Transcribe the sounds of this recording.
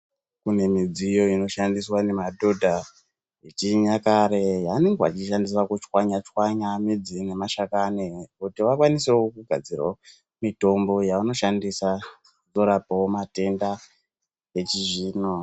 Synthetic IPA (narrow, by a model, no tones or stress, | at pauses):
kune̞mid͡zijo̞ino̞ʃandiswane̞madʱo̞dʱa | et͡ʃiɲakaɾe̞jaːne̞ŋɡea̰t͡ʃiʃandisakut͡ʃwaɲat͡ʃwaɲamid͡zine̞maʃakanekutiʋakwaniseokuɡʱa̰d͡zira̰ | mito̞mbo̞jaano̞ʃandisa | d͡zo̞ɾapaomate̞nda | et͡ʃiʒiːno